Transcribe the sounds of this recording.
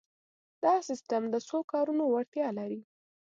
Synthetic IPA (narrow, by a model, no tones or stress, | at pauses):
d̪ɑsɪsʈamd̪əsokɑɾunowaɽt̪jɑlaɾi